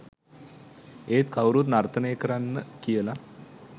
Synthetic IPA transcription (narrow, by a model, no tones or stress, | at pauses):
eːt̪kʰawɾut̪naɾt̪ʰənəjəkəɾanːəkijəla